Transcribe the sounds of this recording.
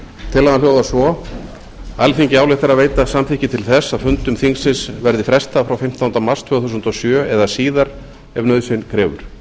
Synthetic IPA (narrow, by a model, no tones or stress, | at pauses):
t̪ʰɪlːaðaljowðasvɔ | alfiɲcɪaːwlɪht̪aɾaðveːjt̪asamθɪhcɪt̪ʰɪlθɛsːaðfʏnt̪ʏmθiŋsɪsvɛɾðɪfɾɛst̪afɾawfɪm̥t̪ʰawnt̪amar̥st̪ʰvœːθuːsʏnt̪ɔsjœːɛðasiːðaɾ | ɛvnœːðsɪnkʰɾɛːvʏ̰ɾ̥